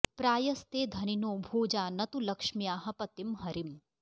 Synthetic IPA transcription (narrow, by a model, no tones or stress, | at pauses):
pɾaːjɐst̪eːd̪ʱɐninoːbʱoːd͡ʒaːnɐt̪ulɐkʂmijaːɦɐpɐt̪imɦɐɾim